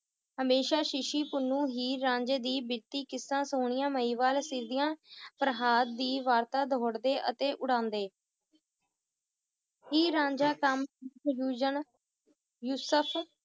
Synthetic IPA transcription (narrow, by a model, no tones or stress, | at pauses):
ɦəmeːʃaːʃɪʃiːpʊnːũːɦiːɾãːɲd͡ʒeːd̪iːbɪɾt̪iːkɪsːãːsoːɳɪjãːməiːʋaːlsɪɾd̪ijãːpəɾɦaːd̪ːiːʋaːɾt̪aːd̪ʱoːɽd̪eːʔət̪eːʔʊɽãːnd̪eː | ɦiːɾãːɲd͡ʒaːkəmjuːd͡ʒən | juːsəpʰ